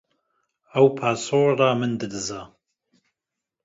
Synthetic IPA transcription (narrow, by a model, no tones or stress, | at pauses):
ɐwpʰaːsoːramɨnd̪ɨd̪ɨzaː